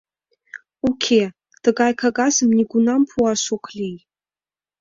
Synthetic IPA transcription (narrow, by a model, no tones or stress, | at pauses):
ukʲʰe | d̥ɨɡajkʰaɡazɨmniɡʷunampʰuaʃʷuqʷʰlʲij